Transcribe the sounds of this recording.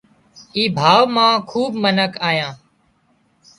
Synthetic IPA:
iːbʱaːʋmãːkʰuːbmənəkʰaːjãː

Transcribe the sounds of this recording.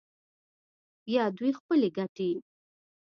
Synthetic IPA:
jɑd̪wujxpəleɡaʈe

